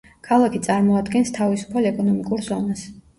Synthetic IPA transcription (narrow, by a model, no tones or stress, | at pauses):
kʰalˠakʰit̪sʼaɾmɔad̪ɡɛnst̪ʰavisu̥pʰalɛkʼɔnɔmikʼuɾzɔnas